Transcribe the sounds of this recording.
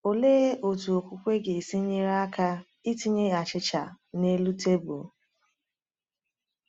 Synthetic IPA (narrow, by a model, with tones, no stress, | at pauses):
o˨leː˦o˨tu˨o˨kʷu˨kʷe˦ɡe˨si˦ɲe˦ɾa˦a˦ka˦ | i˦ti˦ɲe˦a˨t͡ʃɪ˦t͡ʃa˨ | ne˦lu˦te˦bu˨